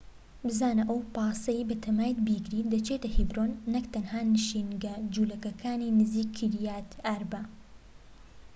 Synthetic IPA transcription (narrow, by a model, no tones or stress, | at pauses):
bɨzaːnɐʔɐwpɑːsɐjibɐt̪ʰɐmaːjt̪biːɡɾiːd̪ɐt͡ʃet̪ɐhibɾoːnːɐkt̪ɐnhaːnɨʃiːnɡɐd͡ʒuːlɐkɐkʰaːniːnɨziːkʰːiɾjaːt̪aːɾbɐ